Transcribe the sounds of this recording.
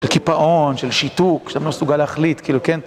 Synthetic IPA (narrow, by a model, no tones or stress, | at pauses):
elkipaʔo̞nʃelʃit̪ukʃamlosuɡaleaχlit̪kiːluken